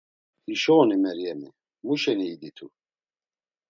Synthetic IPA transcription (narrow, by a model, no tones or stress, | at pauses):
iʃɔːnimɛɾjɛmɛ | muʃɛniːd̪it̪ʰṵ